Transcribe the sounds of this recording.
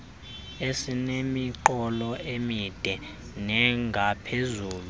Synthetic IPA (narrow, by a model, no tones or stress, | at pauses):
esinemiǃɔlɔemid̥ʱɛ | nɛŋɡʱapʰezuːlu